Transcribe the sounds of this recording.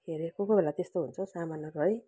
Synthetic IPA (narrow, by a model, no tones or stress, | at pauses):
ɦeɾekokobʱelat̪est̪oɦunt͡sʰʌsamanːʌrʌj